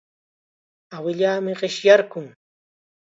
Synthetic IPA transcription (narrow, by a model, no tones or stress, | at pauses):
awɪʎaːmɪɢɪʃjaɾkʊŋ